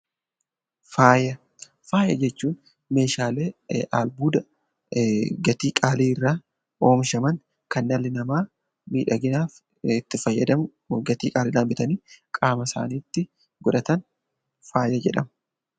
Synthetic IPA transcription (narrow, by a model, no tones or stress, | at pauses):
faːjɐ | faːjɐd͡ʒɛt͡ʃːuːn | me̞ːʃaːle̞ːʔa̰ːlbuːd̪ɐ | ɡɐt̪iːkʼaːliːɪrːaː | o̞ːmʃɐmɐn | kɐnːɐlːɪnɐmaː | miːᶑɐɡɪnaːf | ɪt̪ːɪfɐjːɐd̪ɐm | ɡɐt̪iːkʼaːliːd̪aːmbɪt̪ɐniːkʼaːmɐsa̰ːniːt̪ːɪ | ɡɔᶑɐt̪ɐn | faːjɐd͡ʒɛᶑɐmɐ